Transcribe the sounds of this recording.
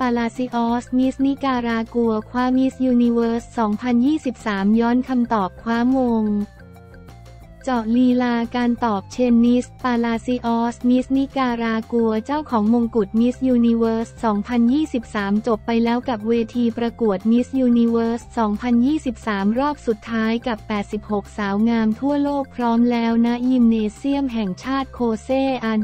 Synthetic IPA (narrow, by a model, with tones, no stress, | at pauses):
paː˧laː˧si˦˥ʔɔː˦˥smi˦˥sni˦˥kaː˧ɾaː˧ku˧ɐkʰwaː˦˥mi˦˥sjuː˧ni˧wɤː˦˥ssɔː˩˦ŋpʰa˧njiː˥˩si˨˩p̚saː˩˦mjɔː˦˥nkʰa˧mt̪ɔː˨˩p̚kʰwaː˦˥mːoː˧ŋ | t͡ɕɔ˨˩liː˧laː˧kaː˧nt̪ɔː˨˩p̚t͡ɕʰe˧nːi˦˥spaː˧laː˧si˦˥ʔɔː˦˥smi˦˥sni˦˥kaː˧ɾaː˧ku˧ɐt͡ɕa˥˩wkʰɔː˩˦ŋmo˧ŋku˨˩t̪̚mi˦˥sjuː˧ni˧wɤː˦˥ssɔː˩˦ŋpʰa˧njiː˥˩si˨˩p̚saː˩˦mt͡ɕo˨˩pːa˧jlɛː˦˥wka˨˩p̚weː˧t̪ʰiː˧pɾa˧ku˨˩ət̪̚mi˦˥sjuː˧ni˧wɤː˦˥ssɔː˩˦ŋpʰa˧njiː˥˩si˨˩p̚saː˩˦mɾɔː˥˩p̚su˨˩t̪ʰːaː˦˥jka˨˩pːɛː˨˩t̪̚si˨˩p̚ho˨˩k̚saː˩˦wŋaː˧mt̪ʰu˥˩ɐloː˥˩k̚pʰɾɔː˦˥mlɛː˦˥wna˦˥ʔji˧mneː˧si˥˩əmɦɛ˨˩ŋt͡ɕʰaː˥˩t̪̚kʰoː˧seː˥˩ʔa˧